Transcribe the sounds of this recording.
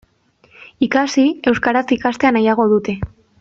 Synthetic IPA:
ikasie̞wskaɾat͡sikast̪e̞anajaɣ̞o̞ðut̪e̞

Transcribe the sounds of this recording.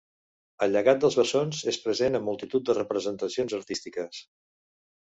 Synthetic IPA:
əlʎːəɣat̪̚d̪əlˠzβəsonzespɾəzenəmːulˠt̪it̪ut̪̚d̪ərəpɾəzənt̪əsionzəɾt̪ist̪ikəs

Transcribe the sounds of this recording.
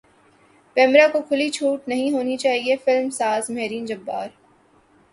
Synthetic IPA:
kɛːmɾakokʰʊlit͡ʃʰuːʈnɐɦĩɦoːnit͡ʃaːɦiefɪlmsaːzmɛːɾiːnd͡ʒɐbːa̰ːɾ

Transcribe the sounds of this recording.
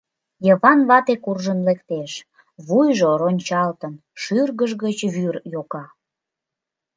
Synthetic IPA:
jəβɑnβɑt̪ekurʒənlekt̪eʃ | βujʒoɾonʲt͡ɕɑlt̪ən | ʃyrɣəʒɣət͡ɕβyrjokɑ

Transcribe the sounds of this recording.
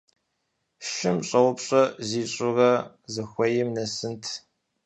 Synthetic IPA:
ʃɪmɕʼɐwʊpɕʼɐziːɕʼʊrɐ | zɨxʷɐjɪmnɐsɨntʰ

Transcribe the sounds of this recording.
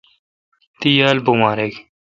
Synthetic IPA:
t̪ijaːlbumaːɾek

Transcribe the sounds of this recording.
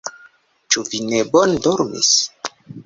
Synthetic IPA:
t͡ʃuvinebondoɾmḭs

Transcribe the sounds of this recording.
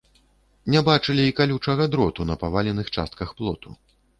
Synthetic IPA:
nʲɛbat͡ʂɨlʲiːkalʲut͡ʂɐɣɐd̪ɾɔt̪unɐpavalʲɛnɨxt͡ʂa̰st̪̚kɐxplˠɔt̪u

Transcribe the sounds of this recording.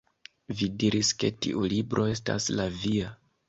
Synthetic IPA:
vidiɾʔiske̞tḭʔulibɾʔo̞e̞sta̰slavia

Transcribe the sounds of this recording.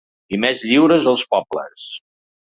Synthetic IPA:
imɛzʎiwɾəzəlˠspɔblə̰s

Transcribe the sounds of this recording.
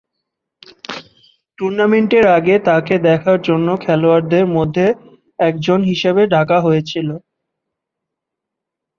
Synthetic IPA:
ʈuɾnameɳʈeɾaɡet̪aked̪ɛkʰaɾd͡ʑonːokʰɛloaɾd̪eɾmod̪ʱːe | ɛk̚d͡ʑonɦiʃebeɖʱakaɦojet͡ɕʰilo

